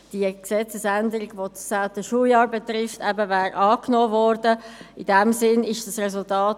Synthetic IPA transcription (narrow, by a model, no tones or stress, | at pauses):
d̥iəksɛt͡səsændəɾɪɡvosaʊtəʃuːjɑːɾbɛtɾɪftɛbəvɛːɾʔɑːknoːvɔɾdəidɛmsɪnɪʃd̥ɑsrɛsʊltaːt